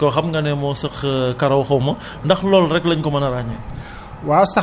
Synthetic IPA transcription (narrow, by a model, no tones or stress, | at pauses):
kɔxɐmŋɡɐnɛmɔsɐxkɐɾɐwxɐwmɐ | ndɐxlɔlrɛkləɲkɔmɐnɐɾaɲɛ | waːsɐ